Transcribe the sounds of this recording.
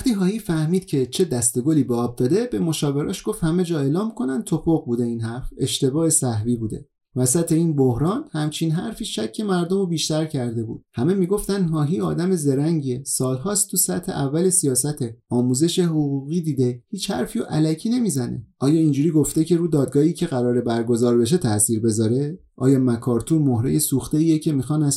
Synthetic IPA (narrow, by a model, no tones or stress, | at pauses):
æχt̪iːɦɒːhiːfæhmiːd̪̥̚cʰe̞t͡ʃʰe̞d̪æst̪e̞ɡoliːbɒːb̚d̪ɒːd̪e̞be̞mo̞ʃɒːve̞ɾɒ̰ːʃɡ̥o̞ft̪hæme̞d͡ʒɒːeːlɒːmkʰo̞nænd̪̚t̪ʰo̞po̞ɣbuːd̪e̞iːnhæɾfe̞ʃt̪e̞bɒːe̞sæhviːbuːd̪e̞̰ | væsæt̪ʰe̞iːnbohɾɒːnhæmt͡ʃʰinɦæɾfiːʃæcʰːe̞mæɾd̪o̞mobiːʃt̪æɾcʰæɾd̪e̞bṵːd̪hæme̞miːɡo̞ft̪ænd̪ɦɒːɦiːɒ̰ːd̪æme̞ze̞ɾæŋɟesɒːlɦɒːst̪t̪ʰusæt̪ʰhe̞̰ʔævːæle̞sijɒːsæt̪ʰe̞ɒːmuːze̞ʃeɦoɣuɣiːd̪iːd̪e̞hiːt͡ʃhæ̰ɾfiːoʔælæcʰiːne̞miːzæne̞̰ʔɒːjɒːind͡ʒuːɾiːɡo̞ft̪e̞cʰe̞ɾuːd̪ɒːd̪̚ɡɒːhiːcʰe̞ɣæɾɒːɾe̞bæɾɡo̞zɒːɾbe̞ʃ̬e̞t̪ʰæʔsiːɾbe̞zɒːɾe̞ | ʔɒ̰ːjɒːmækʰɒːɾt̪ʰumohɾejesuːxt̪e̞iːjecʰe̞miːxɒːnæs